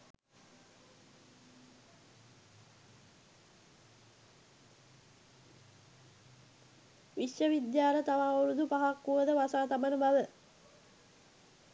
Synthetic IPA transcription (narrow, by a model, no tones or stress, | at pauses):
ʋiʃjəʋid̪jaːɾət̪aʋaːuɾud̪upaɦakːuʋəd̪əʋasaːt̪abənəbaʋə